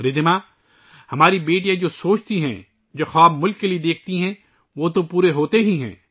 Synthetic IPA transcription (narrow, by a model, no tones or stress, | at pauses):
ɾɪd̪ɪmaː | hɐmaːɾibeːʈijãd͡ʒoːsoːt͡ʃt̪iɦɛ̰̃ | d͡ʒoːxaːbmʊlkːelied̪eːk̚ʰt̪iɦɛ̃ | ʋot̪opuːɾeɦoːt̪eɦiɦɛ̰̃ː